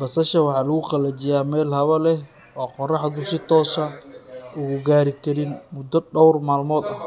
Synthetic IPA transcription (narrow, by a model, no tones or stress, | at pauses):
bɐsɐʃɐwɑħɑːlɐɣʊqɐlɐt͡ʃɪjaːmɛːlhɐβɐlɛ | ɔːqɔrɑħðʊsɪt̪ʰɔːsɐʊɣʊɡaːɾɪkʰɐɾɪnmʊd̪ɐɖɔwrmaːlmɔːd̪ɐh